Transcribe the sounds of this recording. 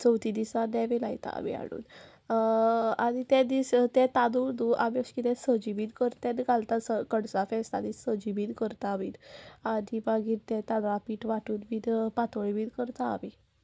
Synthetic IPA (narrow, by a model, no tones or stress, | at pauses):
t͡səwt̪id̪isad̪ɛʋelajt̪a̰a̰ʋḭa̰ɽṵːn | aɽ̃it̪ɛd̪ist̪ɛt̪ad̪ud̪uʔaʋjeɕkit̪ɛ̃səd͡ʑibiːnkəɾt̪ɛ̃nɡʱalt̪asəkəɽsafɛst̪ad̪isəd͡ʑibiːnkəɾt̪aːʋiːt̪ad̪ibaɡiːɾt̪ɛ̃t̪ad̪ɾapiːʈʋaʈuːnbiːt̪pat̪oɭibiːɾkəɾt̪a̰ːʋi